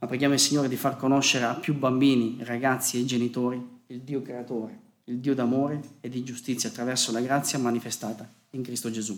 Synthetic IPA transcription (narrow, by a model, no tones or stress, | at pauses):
mapːɾeɡjaːmoilsiɲːoːɾed̪ifarkonoʃːeɾeapːjubambiːniraɡat̪sːied͡ʒenit̪oːɾiild̪iːokɾeat̪oːɾe | ild̪iːod̪amoːɾeed̪ːid͡ʒust̪it̪sjat̪ːɾavɛrsolaɡɾat̪sːjamanifest̪aːt̪a | iŋkɾist̪od͡ʒezu